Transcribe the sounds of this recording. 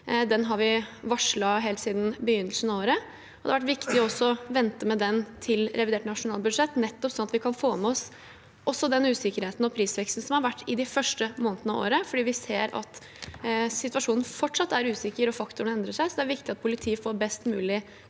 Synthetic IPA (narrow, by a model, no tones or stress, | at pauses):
d̪ɛnɦɑɾʋɪʋɑʂɭɑɦeːlt̪siːd̪n̩bəjʏnːəlsn̩ɑoːɾə | ɔd̪ɛɑʋæʈ̬ʋɪkt̪ɪɔɔsːɔʋɛnt̪əmɛd̪ɛnt̪ʰɪlɾʔɛʋɪd̪eːʈnɑʂʊnɑːlbʉd̪ʂɛt̪ːnɛt̪ːɔpsɔnɑt̪ʋɪkʰɑnfoːmɛɔs | ʔɔsːɔd̪ɛnʉːsɪkːəɾheːt̪n̩ɔpʰɾiːsʋɛkst̪n̩sɔmhɑɾʋæʈːɪd̪ɪfœʂʈəmoːnət̪nɑ̰o̰ːɾəfɔɖiːʋɪseːɾɑ̰t̪ | sɪt̪ʋɑʂuːnn̩fɔʈʂɑt̪ːæɾʉːsɪkːəɾɔfɑkt̪ʊɳəɛnd̪ɾəʂæɪsɔd̪ɛæɾʋɪkt̪ɪɑt̪̚pʰʊlɪt̪ʰiːəfoːɾbɛst̪mʉːlɪ